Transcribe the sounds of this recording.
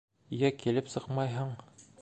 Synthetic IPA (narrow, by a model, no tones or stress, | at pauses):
jækilɘpsɤqmɑjɦɤɴ